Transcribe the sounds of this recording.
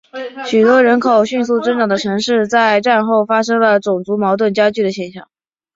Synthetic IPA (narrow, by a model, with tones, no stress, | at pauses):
ɕy˨˩t̪wɔ˥ɻə˧˥nkʰo˨˩ʊɕy˥˧ns̬u˥˩ʈ͡ʂə˥nʈ͡ʂɑ˨˩ŋd̪ə˦ʈ͡ʂʰɤ˧˥ŋʂɻ̩˥˧t͡sa˥˧ɪʈ͡ʂa˥˧nxo˥˩ʊfa˥ʂɤ˥ŋlə˨t͡sʊ˨˩ŋt͡su˧˥mɑ˧˥ʊt̪wə˥˩nt͡ɕja˥t͡ɕy˥˩d̪ə˩ɕjɛ˥˩nɕjɑ̰˥˩ŋ